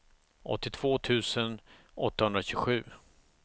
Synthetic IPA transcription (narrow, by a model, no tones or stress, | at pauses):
ʔɔ̰t̪ːɪt̪ʰv̥oːt̪ʰʉ̟ːsən | ɔt̪ːahɵnd̪ɾaɕʏɡɧʉ̟ː